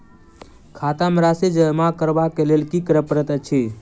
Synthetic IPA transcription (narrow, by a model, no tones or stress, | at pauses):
kʰat̪amɾased͡ʒəmakəɾbakelelkikəɾəpəɾət̪ət͡ʃʰe